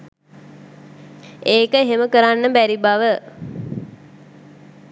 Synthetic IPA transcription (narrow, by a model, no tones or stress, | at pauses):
eːkəɦeməkəɾanːəbæɾibaʋə